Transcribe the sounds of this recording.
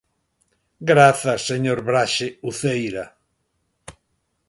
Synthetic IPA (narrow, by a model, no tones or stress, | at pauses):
ɡɾaθɐsːeɲoɾβɾaʃeuθejɾa